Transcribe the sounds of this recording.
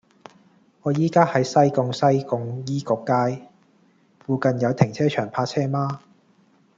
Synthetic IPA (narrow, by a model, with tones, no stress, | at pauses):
ŋɔː˨˧jiː˥kaː˥hɐ˨˥jsɐ˥jkʊ˨˧ŋsɐ˥jkʊ˨˧ŋjiː˥kʊ˨˧kːaː˧j | fuː˨˧kɐ˨njɐ˨˧wt̪ʰɪ˨˩ŋt͡sʰɛː˥t͡ʃʰœː˨˩ŋpʰaː˧t͡sʰɛː˥maː˥